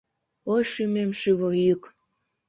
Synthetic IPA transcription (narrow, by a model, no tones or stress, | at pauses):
ojʃymemʃyβəjək